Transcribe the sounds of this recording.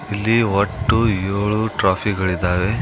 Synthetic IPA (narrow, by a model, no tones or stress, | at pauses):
ilːiɔʈːujoːɭuʈɾaːpʰiɡɐɭid̪ːaːʋe